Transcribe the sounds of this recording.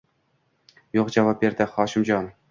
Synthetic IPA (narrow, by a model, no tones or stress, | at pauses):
joqʑɑvɑp̚ʲːerʲd̪ʲɘ̆χɑɕɤ̆mʑɑn